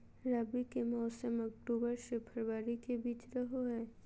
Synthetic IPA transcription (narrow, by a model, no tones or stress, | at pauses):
ɾaːbikemɔːsəmɐk̚ʈuːbəɾsepʰɐɾwaːɾikebiːt͡ʃɾɐɦoɦɛː